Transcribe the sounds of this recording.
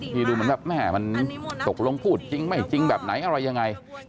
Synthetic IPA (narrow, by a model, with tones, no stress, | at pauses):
t̪ʰiː˧˩duː˧mɯ˩˦mbɛː˨˩p̚mɛː˥˩ma˧nt̪o˨˩k̚lo˧ŋpʰuː˥˩t̪̚t͡ɕi˧ŋma˥˩jt͡ɕi˧ŋbɛː˨˩p̚na˩˦jʔa˧ɾa˧jːa˧ŋːa˧j